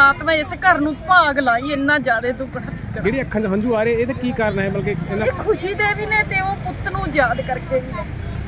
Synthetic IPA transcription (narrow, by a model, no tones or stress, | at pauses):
aːt̪mãːɪskəɾnũːpaːɡlaːiːɪnːãːd͡ʒjaːd̪eːd̪ʊkː | d͡ʒeːɽiːəkʰːãːd͡ʒaɦə̃nd͡ʒuːaːɾeeːt̪aːkiːkəɾnaːɛːməlːkeːɪnãkʰʊʃiːd̪eːʋiːneːt̪eːoːpʊt̪ːnũːd͡ʒjaːd̪kəɾkeːʋiːɛː